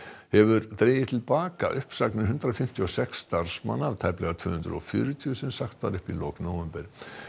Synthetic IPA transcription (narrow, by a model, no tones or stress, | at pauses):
hɛvʏɾt̪ɾeːjɪt̪ʰɪlpaːka̰ʔʏhpsaknɪɾɦʏnt̪ɾafɪm̥t̪ʰiɔsɛksːt̪aɾ̥sma̰nːaavt̪ʰaːjplɛɣat̪ʰʏːhʏnt̪ɾʏ̰ɔ̰fjʏ̰ːɾʏt̪ʰijʏsɛmsaxt̪vaɾɪhpiloːknoːwɛmpɛɾ̥